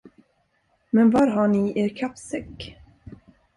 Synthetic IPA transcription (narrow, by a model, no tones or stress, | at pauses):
mɛnvaɾɦaɳɪʔeːɾkʰapsɛkː